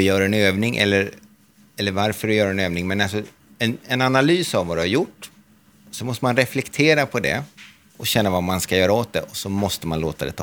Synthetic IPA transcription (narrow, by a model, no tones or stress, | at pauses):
ɪjœːɾaɛnøːvnɪŋʔɛ̰lːəɾ | ɛlːəɾvaɾfœɾɔjœːɾaɛnøːvnɪŋmɛnals̬ɔ | ɛnɛnanalyːsavvad̪ʉhaɾjʊʈː | sɔmɔst̪əmanɾɛflɛkt̪ʰeːɾapʰɔd̪ɛ̰ | ɔɕɛnːavamanskajœːɾaoːt̪̚d̪ɛʔɔsɔmɔst̪əmanloːt̪ad̪ɛ̰t̪ʰː